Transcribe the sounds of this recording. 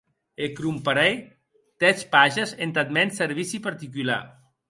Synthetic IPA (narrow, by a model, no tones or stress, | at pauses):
ekɾumpaɾɛj | t̪ɛt͡ʃpaʒezent̪at̪̚mɛnseɾβisipaɾt̪ikyla̰